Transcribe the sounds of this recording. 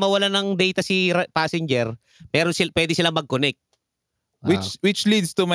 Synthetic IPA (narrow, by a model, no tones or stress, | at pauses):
mɐwɐlanɐŋd̪ɛjt̪ɐsɪpaːsɪnd͡ʒɛɾ | mɛːɾonsɪpwɛːd̪ɪsɪlamɐɡ̚konɛk̚t̪̚ | wɪt͡ʃwɪt͡ʃlid̪st̪uma